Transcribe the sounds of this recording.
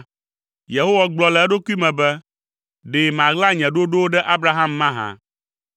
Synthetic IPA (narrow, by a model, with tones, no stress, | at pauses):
je˨ɦo˦wa˨ɡ͡blɔ˨lɛ˨ɛ˦ɖo˦ku˦i˦mɛ̃˨bɛ˦ | ɖe˨mã˨ɡla˦ɲɛ̃˨ɖo˦ɖo˦wo˦ɖɛ˦ʔa˦bɾa˦ɦa˦mːã˦ɦã̰˨